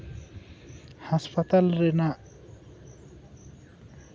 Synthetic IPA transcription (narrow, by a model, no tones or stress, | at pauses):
haspʰat̪alɾenaʔ